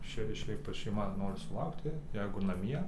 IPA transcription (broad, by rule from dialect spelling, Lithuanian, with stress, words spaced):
ˈʃʲɛɪ ʃʲɛɪp ʋɐ ʃʲɛɪˈmɐ ˈnoːrʲɪ sʊˈlˠɐʊktʲɪ ˈjɛɪɡʊ nɐˈmʲiɛ